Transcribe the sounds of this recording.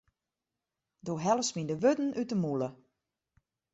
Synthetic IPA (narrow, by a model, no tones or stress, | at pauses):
doːɦɛləsmindəʋødn̩ytəmulə